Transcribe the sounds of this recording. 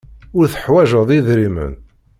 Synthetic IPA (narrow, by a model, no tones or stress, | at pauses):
ʊɾθə̥ħwæʒəðˤiðɾimə̰n